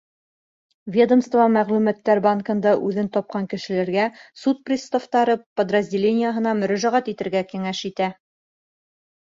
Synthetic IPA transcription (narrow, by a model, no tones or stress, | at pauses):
vʲe̞d̪ə̆mst̪vɑmæʁlʉmæt̪ːæɾbaŋkɤ̆nd̪ɑʔʉðɘnt̪ɒp̚qɑŋkɘ̆ʃɘ̆læɾɡæsut̪̚prʲɪst̪oft̪ɑɾɤpə̆d̪rɐzʲdʲɪlʲenʲɪjəɦɤ̆nɑmɵ̆ɾæʒæʁæt̪it̪ɘ̆ɾɡækiŋæʃit̪æ